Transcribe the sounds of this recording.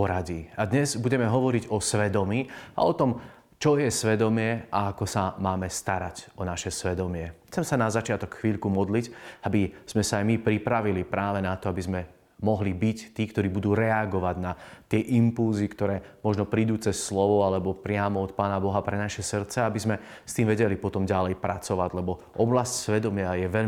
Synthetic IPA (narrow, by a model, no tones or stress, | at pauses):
pɔɾaɟiːad̪ɲɛzbuɟɛmɛɦɔʋɔɾiɟɔsʋɛd̪ɔmiːa̰ɔt̪ɔm | t͡ʃɔjɛsʋɛd̪ɔmɪɛa̰akɔsamaːmɛst̪aɾacɔnaʃɛsʋɛd̪ɔmɪɛxt͡sɛmsanazat͡ʃɪat̪ɔkxʋiːʎkumɔd̪licabiz̥mɛsaajmipɾipɾaʋilipɾaːʋɛnat̪ɔabizmɛ | mɔɦlibict̪iːkt̪ɔɾiːbud̪uːɾɛaɡɔʋaɟnat̪ɪɛʔimpulzikt̪ɔɾɛːmɔʒnɔpɾiːd̪uːt͡sɛsːlɔʋɔalɛbɔpɾɪamɔɔt̪̚paːnabɔɦapɾɛnaʃɛsr̩t̪t͡sɛaabizmɛ | st̪iːmʋɛɟɛlipɔt̪ɔmɟalɛjpɾat͡sɔʋaɟlɛbɔ | ʔɔblascsʋɛd̪ɔmɪajɛʋɛʎ